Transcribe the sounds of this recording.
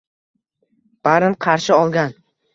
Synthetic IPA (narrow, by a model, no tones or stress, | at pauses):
b̥aɾɪmqʰɑɾʃɪɒlˠɡʲan